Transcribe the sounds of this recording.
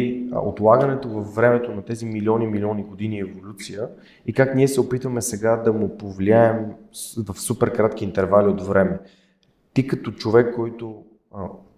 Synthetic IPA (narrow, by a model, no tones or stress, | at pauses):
io̰t̪lˠaɡənɛt̪ovɐfːɾɛmɛt̪onɐt̪ɛzimilʲiɔnimilʲɔniɡod̪iniɛvolʲut̪sijə | ikakniɛsɛopit̪vəmɛsɛɡad̪ɐmʊpovlʲiaɛmvɐfsupɛɾkɾat̪k̟iːnt̪ɛɾvaliod̪vɾɛmɛ | t̪ikɐt̪ɔt͡ʃovɛkːɔjt̪o